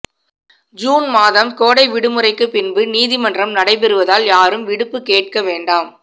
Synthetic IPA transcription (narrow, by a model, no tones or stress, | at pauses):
d͡ʒuːnmaːðɐmkoːɽɐɪʋɪɽɯmɯrɐɪkːɯpːɪnbɯniːðɪmɐndrɐmnɐɽɐɪp̬ɛɾɯʋɐðaːljaːɾɯmʋɪɽɯpːɯkeːʈ̚kɐʋeːɳɖaːm